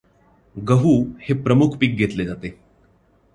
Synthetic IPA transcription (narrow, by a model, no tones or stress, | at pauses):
ɡəɦuːhepɾəmukʰpiːk̚ɡʱet̪led͡zat̪e